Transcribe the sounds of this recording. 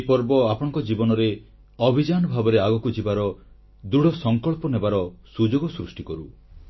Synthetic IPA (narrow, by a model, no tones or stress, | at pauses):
pɔɾbɔapɔɽɔ̃ŋkɔd͡ʒibɔnɔɾe | ɔbʱid͡ʒanɔbʱabɔɾeaɡɔkud͡ʒibaɾɔ | d̪uɽɔsɔŋkɔɭpɔnebaɾɔsud͡ʒoɡɔsɾusʈikɔɾu